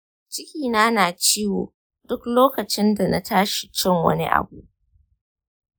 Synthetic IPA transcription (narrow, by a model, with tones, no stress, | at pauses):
t͡ʃɪ˦kʲiː˨naː˦naː˨t͡ʃiː˦wo̰ː˨ | dʊ˦kloː˦kɐ˨t͡ʃɪ˦nda˨na̰˦tʰaː˦ʃi̥˨t͡ʃɪ˦ŋwɐ̰˦nḭ˦ʔa̰˨buː˦